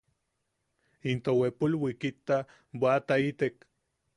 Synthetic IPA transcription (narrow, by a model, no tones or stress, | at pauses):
int̪owepulwikit̪ːa | bwat̪ait̪ek